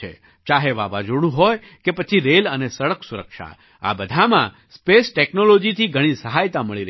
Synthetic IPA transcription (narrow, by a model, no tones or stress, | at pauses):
ḛ | t͡ʃaɦeʋaʋad͡ʒoɽ̃ũɦɔj | kepət͡ʃʰiɾelənesəɭəksuɾəkʃa̰ | a̰bəd̪ʱamã | spesʈeknolod͡ʒit̪ʰiɡʱəɽ̃ĩsəɦajt̪aməɭiɾ